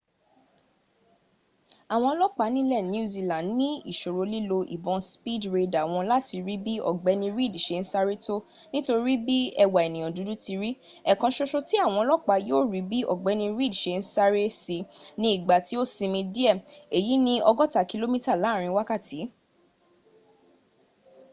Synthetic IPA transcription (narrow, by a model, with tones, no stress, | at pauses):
a˨w̃ɔ̃˧lɔ˦k͡pa˨˦nĩ˦lɛ˦˨n˨˦u˦˨zi˧lã˨˦nĩ˦ḭ˦˨ʃo˨ɾo˨˧li˦lo˧ʔi˨bɔ̃˧spi˦˨dɾe˧da˨w̃ɔ̃˧la˦ti˧ɾi˦bi˦ɔ̰˦˨ɡ͡bɛ˨˦nĩ˧ɾi˦˨di˨ʃe˧n̩˦sa˦ɾe˦tʰo˦ | nĩ˦to˧ɾi˦bi˦ɛ˧wa˨ɛ˨nĩ˨j̃ɔ̃˨du˨˦du˦ti˧ɾi˦ | ɛ˨kã˧ʃo˧ʃo˧ti˦a˦˨w̃ɔ̃˧lɔ˦k͡pa˧˦joː˦˨ɾi˨˦bi˦ʔɔ̰˨ɡ͡bɛ˨˦nĩ˧ɾi˦˨dʃe˧n̩˦sa˦ɾe˦si˧nĩ˧˦i˦˨ɡ͡ba˨ti˨˦o˦˨sĩ˧mĩ˧di˦ɛ˦˨e˨ji˨˦nĩ˦ɔ˧ɡɔ˦ta˦˨ki˧lo˦mĩ˦ta˦˨la˨˦˨ɾ̃ĩ˧wa˦ka˦˨ti˨˦